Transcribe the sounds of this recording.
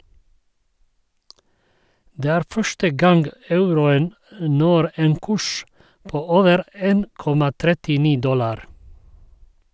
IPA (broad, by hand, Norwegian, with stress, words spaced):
ˈdeː ˈæːɾ ˈfœʃʈə ˈɡɑŋɡ ˈɑʉɾʊən m ˈnɔɾ ˈeːn ˈkʉʃ ˈpoː ˈoːʋəɾ ˈeːn ˈkɔmɑ ˈtɾɛtɪˌniː ˈdɔlɑɾ